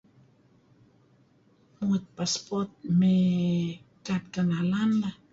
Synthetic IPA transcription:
mut̪̚paspɔt̪̚me | kat̪̚kanalanla

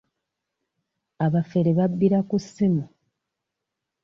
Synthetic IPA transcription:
aβafeɾeβabːiɾakusːimu

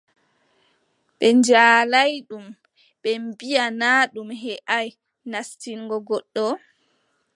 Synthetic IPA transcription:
ɓɛɲd͡ʒaːlajɗum | ɓɛmbijanaːɗumɦɛʔaj | nastiŋɡɔɡɔɗːɔ

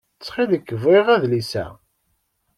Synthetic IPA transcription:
t͡sːχiðəkːəveʁæðlisæ̰

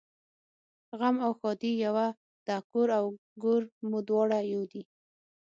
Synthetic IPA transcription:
ɣamawxɔd̪ijawa | d̪̥akuɾaw | ɡʊɾmud̪wɑɽajowd̪i

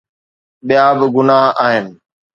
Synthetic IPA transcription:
ɓijabɪɡʊnaːɦaːɦɪnɪ̆

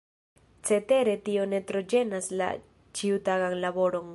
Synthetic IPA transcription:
t͡se̞te̞ɾe̞tio̞netɾo̞d͡ʒe̞nasla̰ | t͡ʃiutaɡaŋlabo̞ɾo̞ŋ

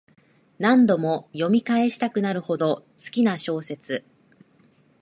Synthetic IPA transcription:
nãnd̪o̞mo̞jo̞mʲikae̞ɕi̥t̪akɯ̟naɾɯ̟ho̞d̪o̞t͡sɨ̥kʲinaɕo̞ːse̞t͡sɨ

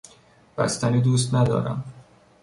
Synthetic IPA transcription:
b̥æ̰st̪æniːd̪uːs̬t̪næd̪ɒ̰ːɾæ̰m

